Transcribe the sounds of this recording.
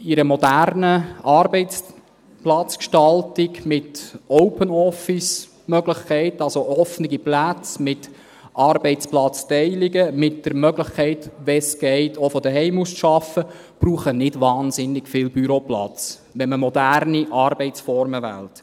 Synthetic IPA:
iɾəmɔdærnəɑːɾbɛɪt͡s | plɑt͡skʃtɑltɪɡmɪtɔʊpənɔfɪs | mœɡləχkʰɛɪtɑlsoʔɔfnɪɡiplæt͡smɪt | ʔɑːɾbɛɪt͡splɑt͡stɛɪliɡəmɪt̚d̥əɾmœɡləχkʰɛɪtʋɛsɡ̥ɛɪtofɔd̥əɦɛɪmusʃɑfə | b̥ɾuːχənɪdʋɑːnzɪnːɪɡ̥fɪːlbyɾoplɑ̰t͡s | ʋɛnməmɔdæɾniʔɑːɾbɛɪt͡sfɔɾməʋæ̰lt

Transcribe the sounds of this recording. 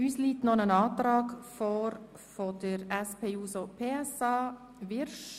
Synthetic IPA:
yːsliːtnɔnənɑːtɾɑːɡfɔːɾ | fod̥əɾɛspʰeːuːsopʰeːɛsɑː | ʋɪɾʃ

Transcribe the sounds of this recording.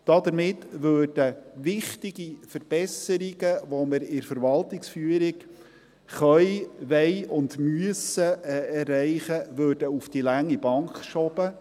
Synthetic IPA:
d̥ɑd̪əɾmɪtːʋøːrd̥əʋɪχtɪɡifəɾb̥ɛsəɾɪɡəʋɔməɾɪɾfəɾʋɑltɪksfyːəɾɪk | χœʏʋɛɪʊndmyəsəɛrːɛɪχəʋøːɾdəufd̥ilæŋːib̥ɑŋkʃɔb̥ə

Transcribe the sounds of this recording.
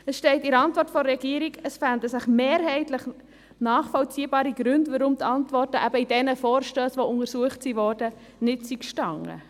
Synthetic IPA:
əsʃtɛɪtɪɾɑntʋɔrtfɔɾːɛɡ̥iəɾiɡəsfændəsɪχmeːɾɦɛɪtləχ | nɑːχfɔlt͡siːbɑːɾiɡ̥ɾʉndʋəɾʊmtɑntʋɔrtəʔæbəid̥ɛnəfɔːɾʃtøːsʋoʊŋəɾsuəχtsiʋɔrdə | nɪtsikʃtɑŋə̰

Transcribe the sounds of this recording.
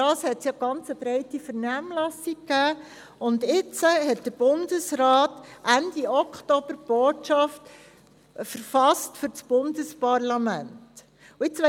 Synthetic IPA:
dɑːshɛtsjɑːɡ̥ɑnt͡səb̥ɾɛɪtifəɾnæːmlɑsikːæː | ʊndɪt͡səɦɛt̚d̥əb̥ʊndəsɾɑːtʔænd̥iɔkχtɔb̥əɾb̥oːtʃɑft | fəɾfɑstfʏɾt͡sb̥ʊndəspɑɾlɑmænt | ʊɪt͡sʋɛ

